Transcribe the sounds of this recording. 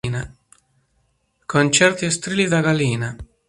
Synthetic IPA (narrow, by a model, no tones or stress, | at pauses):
na | kʰont͡ʃɛrt̪iest̪ɾiːlid̪aɡaliːna